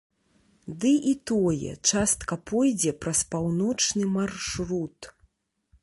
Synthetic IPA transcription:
d̪ɨʔit̪ɔjɛ̰t͡ʂast̪kɐpɔjd͡zʲɛpɾɐspawnɔt͡ʂnɨmarʂɾut̪

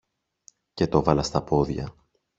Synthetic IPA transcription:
ce̞t̪o̞vɐlɐst̪ɐpo̞ðʝɐ̰

